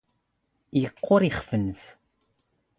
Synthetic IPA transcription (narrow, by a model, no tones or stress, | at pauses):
jəqːʊɾiχfənθ